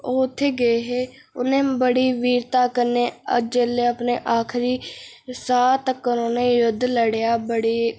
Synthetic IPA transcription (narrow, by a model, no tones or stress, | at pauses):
oːt̪ʰːeːɡəeɦeː | ʊnẽːbəɽiːʋiːɾt̪aːkəɾneːə̰d͡ʒeːleəpneːʔaːkʰɾiː | saːt̪əkːʊɾoːnejʊd̪ʱːləɽejaːbəɽiː